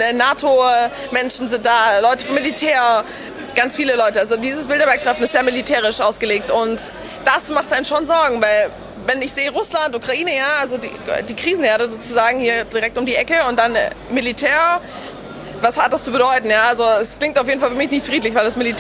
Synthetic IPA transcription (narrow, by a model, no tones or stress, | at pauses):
ɛnaːtʰo | mɛnʃn̩zɪnt̚d̥aːlɔʏtəfɐmilitʰɛːɐ | ɡ̥ant͡sfiːləlɔʏtəalzodiːzəs̬b̥ɪldɐvɛɐktʁ̥ɛfn̩ɪstz̥eːɐmilitʰɛːʁɪʃʔaʊsɡ̥əleːk̚tʔʊnt | d̥asmaχt̚ʔaɪnənʃoːnzɔɐɡŋ̩vaɪl | vɛnɪçz̥eːəʁʊslantʔuːkʁ̥aʔiːnəjaːʔalzodḭdiːkʁ̥iːzn̩heːɐɾəzoːt͡suzaːɡŋ̩hiːɐd̥iʁɛk̚tʊmdiːʔɛkəʊnt̚d̥an̰militʰɛːɐ | vashat̚d̥ast͡subədɔʏtn̩jaːʔalzoɛskl̥ɪŋtaʊfjeːdn̩falfyɐmɪç̬nɪçtfʁ̥iːtlɪçv̥aɪldasmilit